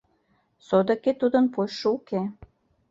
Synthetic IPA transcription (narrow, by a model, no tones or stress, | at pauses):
sod̪ə̆ket̪ud̪ə̆npojʃɤuke